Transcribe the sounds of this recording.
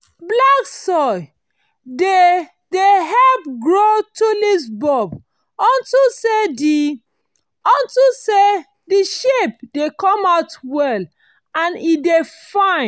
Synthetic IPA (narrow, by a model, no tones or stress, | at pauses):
blaksɔɪ | de | deɦɛlp̚ɡɹotulisbɔb | ɔ̃ntusedi | ɔ̃ntuse | diʃep̚dekɔ̃maʊtwɛl | ãnidefãɪ̃